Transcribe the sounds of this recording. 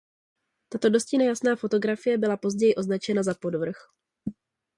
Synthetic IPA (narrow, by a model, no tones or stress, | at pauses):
t̪at̪o̞do̞scɪnajasnaːfo̞t̪o̞ɡɾafɪjɛbɪlapo̞zɟɛjɪʔo̞znat͡ʃɛnazapo̞dvr̩x